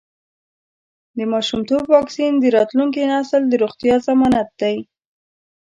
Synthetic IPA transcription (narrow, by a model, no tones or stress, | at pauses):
d̪əmɑʃumt̪obwɑksind̪əɾɑt̪luŋk̬inasəld̪əɾoɣt̪jɑzamɑnat̪̚d̪aj